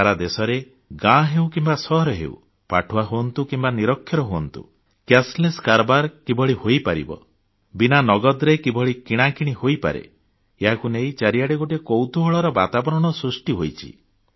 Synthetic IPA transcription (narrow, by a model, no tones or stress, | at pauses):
aɾad̪esɔɾe | ɡãɦewkimbasɔɦɔɾɔɦḛṵ | pa̰ʈʰuaɦuɔnt̪ukimbaniɾɔkʰːjɔɾɔɦuɔnt̪ṵ | kasleskaɾbaɾkibʱɔɭihojpaɾḭbɔ̰ | binanɔɡɔd̪ɾekibʱɔɭikiɽ̃akiɽ̃ihojpa̰ɾḛ | eɦakunejt͡ʃaɾijaɽiɡoʈekowt̪uɦɔɭɔɾɔbat̪abɔɾɔɽ̃ɔsɾusʈiɦojt͡ʃʰḭ